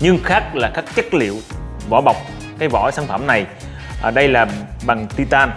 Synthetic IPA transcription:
ɲɨ˧ŋxaː˦˥k̚laː˨˩kaː˦˥k̚t͡ɕə˦˥k̚lḭ˧˨əwvɔ̰˧˩˦ɓa˨˩wk͡p̚ | kaː˨˦jvɔ̰˧˩saː˧˩˦nfə˧˩mna˨˩j | ʔɗə˧jlaː˨˩ɓa˨˩ŋt̪i˧t̪aː˧n

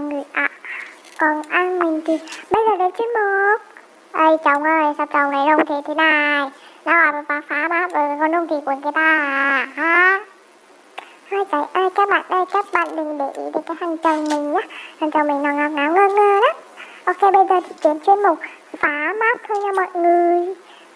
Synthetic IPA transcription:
ŋɨ˨˧˩əjʔa̰˧˨ | kɔ˨˩nʔaː˧nmï˨˩ŋ̟t̪ʰi˨˩ɓə˧jzəː˨˩ɗə˨˦t͡ɕwi˧ənmo˨˦k̚ | ʔə˧˩jt͡ɕə˨˩wŋ͡mʔəː˨˩jsa˧˩mt͡ɕə˨˩wŋ͡mna˨˩jlʊ˧ŋ͡mt̪ʰi˨˩t̪ʰi˨˦na˧jna˨˦aː˨˩˨vaː˨˦faː˨˦maː˦˥p̚vəː˨˩˨kɔ˧˩nzʊ˧t̪ʰi˨˩ku˨˩ənk̪a˨˦t̪aː˧˨˧ɦaː˨˧ | haː˧˩jka˨˦jʔaː˧jkaː˦˥k̚ɓa̰ː˧˨nʔə˧˩jkaː˦˥k̚ɓa̰ː˧˨nɗɨ˨˩ŋɗe˧˨ʔḭ˨˦vəː˨˩kaː˨˦hʰa˨˩ŋt͡ɕə˨˩wŋ͡mmï˨˩ŋ̟ɲaː˨˦ha˨˩ŋt͡ɕə˨˩wŋ͡mmï˨˩ŋ̟nɔ˨˩ŋaː˨˦ŋaː˨˦wŋəː˧ŋəː˧˩ɗa˨˦ | ʔo˧ke˧jɓə˧jzəː˨˩t̪ʰi˨˩t͡ɕi˨˦ənt͡ɕwi˧ənmʊ˨˩k͡p̚ | faː˨˦maː˦˥p̚t̪ʰo˧jɲa˧mɔ̰˧˨jŋɨ˨˩əj

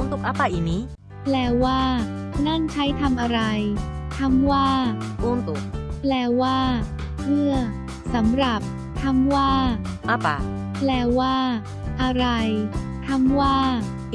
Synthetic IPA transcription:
u˧˥˦nt̪u˨˩k̚ʔa˦˥pa˧˩ʔiː˨˩k̚niː˦˥ | plɛː˧˩waː˥˩ | na˥˩nt͡ɕʰa˦˥jt̪ʰa˧mʔa˧ɾa˧jt̪ʰa˧˥mwaː˥˩ʔu˧˥˩nt̪u˨˩k̚plɛː˧˩waː˥˩ | mɯ˥˩ɐ | sa˩˦mɾa˨˩p̚ | t̪ʰa˧˥mwaː˥˩ʔa˦˥pa̰˨˩ | plɛː˧waː˥˩ | ʔa˧ɾa˧j | t̪ʰa˧˥mwaː˥˩

